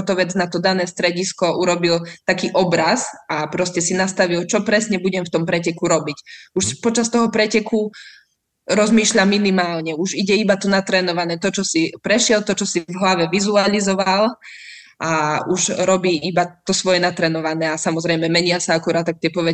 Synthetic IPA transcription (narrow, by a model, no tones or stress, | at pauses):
t̪ɔʋɛd͡znat̪ɔd̪anɛːst̪ɾɛɟiskɔʔuɾɔbilt̪akiːʔɔbɾazapɾɔscɛsinast̪aʋilt͡ʃɔpɾɛsɲɛbuɟɛmft̪ɔmpɾɛcɛkuɾɔbicuʃpɔt͡ʃast̪ɔɦɔpɾɛcɛku | ɾɔzmiːʃʎamːinimaːlɲɛuʒiɟɛibat̪ɔnat̪ɾɛːnɔʋanɛːt̪ɔt͡ʃɔsipɾɛʃɪɛlt̪ɔt͡ʃɔsivɦlaʋɛʋizualizɔʋal | ʔauʒɾɔbiːibat̪ɔsʋɔjɛnat̪ɾɛːnɔʋanɛːasamɔzɾɛjmɛmɛɲɪasaakuɾaːt̪ːak̚t̪ɪɛpɔʋɛ